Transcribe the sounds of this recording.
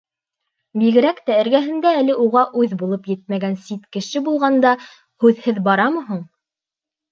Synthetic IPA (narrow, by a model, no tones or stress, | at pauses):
biɡɘ̆ɾækt̪æɘ̆ɾɡæɦɘ̆nd̪æːlɘʔuʁɑʔʉðbulˠɤpjɘt̪̚mæɡænsit̪kɘ̆ʃɘbulˠʁɑnd̪ɑ | hʉðhɘðbɑɾɑmɤ̆ɦɤɴ